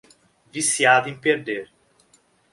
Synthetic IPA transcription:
visiad̪ẽpeɾd̪eɾ

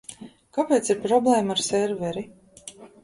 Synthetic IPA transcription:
kapeːt̪siɾpɾɔblˠɛːmaaɾsɛɾvɛɾi

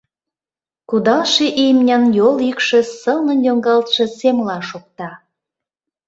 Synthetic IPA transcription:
kud̪ɑlʃeʔijmnʲɑnjolikʃĕsəlnə̆njoŋɡɑlt̪ʃĕsemlɑʃok̚t̪ɑ

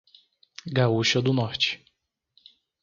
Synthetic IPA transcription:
ɡauʃɐd̪ʊnɔɾt͡ʃɪ̥

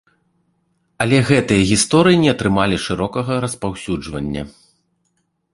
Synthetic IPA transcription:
ɐlʲɛɣɛt̪ɨjɐɣʲist̪ɔɾɨjinʲɛɐt̪ɾɨmalʲiʂɨɾɔkɐɣɐɾɐspawsʲud͡ʐvɐnʲːɐ̰

